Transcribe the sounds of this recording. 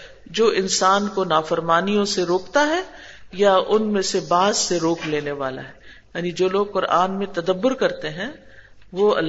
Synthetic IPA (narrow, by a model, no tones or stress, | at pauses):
d͡ʒoːʔɪnsaːnkonaːfəɾmaːnijõseɾoːkt̪aɦɛ | jaʊnmẽsebaːd̪seɾoːkʰleːneʋa̰ːla̰ɦɛ | jaːnid͡ʒoːloːɡ̚qʊɾaːnmẽt̪ɐd̪əbːʊɾkɐɾt̪eɦɛ̃ː | ʋoːɐ̰lː